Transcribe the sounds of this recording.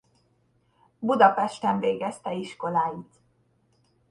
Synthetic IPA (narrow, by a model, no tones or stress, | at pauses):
bud̪ɒpɛʃt̪ɛɱveːɡɛst̪ɛiʃko̞laːjit̪